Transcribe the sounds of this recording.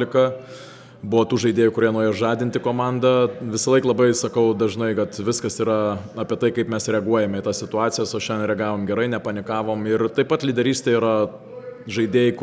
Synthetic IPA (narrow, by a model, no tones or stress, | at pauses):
lʲɪkɐ | bʊʋot̪uːʒɐɪd̪ʲeːjʊkʊɾʲiɛnoːɾʲeːjoʒɑːd̪ʲɪnʲt̪ʲɪkoːmɑnd̪ɐʋʲɪsɐlˠɐɪklˠɐbɐɪsɐkɐʊd̪ɐʒnɐɪkɐt̪ʋʲɪskɐsiːɾɐɑːpʲiɛt̪ɐɪkɐɪpmʲɛsɾʲɛɐɡuɔjɛmʲɛɪt̪ɐssʲɪt̪ʊɑːt̪sʲɪjɛsɐʃʲɛnʲd̪ʲɛnɾʲɛɐɡɑːʋoːmɡʲɛɾɐɪnʲɛpɐnʲɪkɑːʋoːmɪrt̪ɐɪpːɐt̪lʲɪd̪ʲɛɾʲiːsʲt̪eiːɾɐ | ʒɐɪd̪ʲeːjɪk